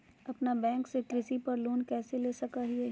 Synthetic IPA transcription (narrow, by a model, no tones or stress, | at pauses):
ɐpnabɛ̃ːŋksekɾɪsipɐɾloːnkɛːseleːsɐkaɦiɛ